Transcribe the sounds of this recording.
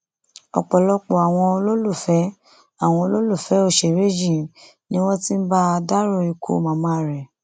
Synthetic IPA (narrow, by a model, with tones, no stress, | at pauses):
ɔ̰˨k͡pɔ˨lɔ˧k͡po˨a˨w̃ɔ̃˧o˧lo˦lu˦˨fɛ˨˦ | a˦˨w̃ɔ̃˧o˧lo˦lu˦˨fɛ˨˦o˦˨ʃe˨ɾe˦d͡ʒĩ˦˨ | nĩ˦w̃ɔ̃˦ti˦n̩˦ba˦a˧da˦ɾo˧˨i˧kʰo̰˦˨mã˨˧˦mã˧˦˨ɾɛ˨